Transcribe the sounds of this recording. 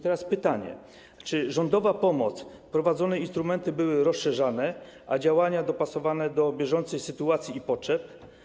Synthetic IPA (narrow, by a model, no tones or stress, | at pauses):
t̪ɛɾaspɘt̪aɲɛ̰ | t͡ʂɘʐɔnd̪ɔvapɔmɔt̪s | pɾɔvad̪zɔnɛinst̪ɾumɛnt̪ɘbɘwɘɾɔsʂɛʐanɛ | ʔad͡ʑawaɲad̪ɔpasɔvanɛd̪ɔbʲjɛʐɔnt̪sɛjsɘt̪uat̪sʲjiːpɔtʂɛp̚